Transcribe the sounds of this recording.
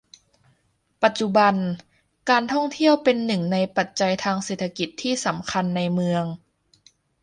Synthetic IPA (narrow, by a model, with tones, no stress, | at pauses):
pa˨˩t̪̚t͡ɕu˧˩ba˧n | kaː˧nt̪ʰɔ˥˩ŋt̪ʰi˥˩əwpe˧nːɯ˨˩ŋna˧jpa˨˩t̪̚t͡ɕa˧jt̪ʰaː˧ŋseː˨˩t̪ʰːa˧ki˨˩t̪ʰːiː˥˩sa˩˦mkʰa˧nːa˧jmɯ˧əŋ